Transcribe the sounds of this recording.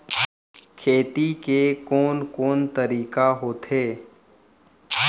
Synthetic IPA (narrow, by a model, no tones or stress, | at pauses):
kʰeːt̪ikekɔːnkɔːnt̪əɾiːkaɦoːt̪ɦeː